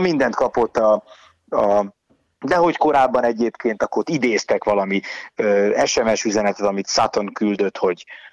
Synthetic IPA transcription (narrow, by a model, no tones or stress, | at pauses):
mind̪ɛnt̪kɒpo̞t̪ːɒ | ɒ | d̪ɛɦo̞cko̞ɾaːbːɒnɛɟeːpkeːnt̪ɒkort̪id̪eːst̪ɛkʋɒlɒmiøːɛʃɛmɛʃyzɛnɛt̪ɛt̪ɒmit̪sat̪o̞nkyld̪ø̞t̪ho̞ɟ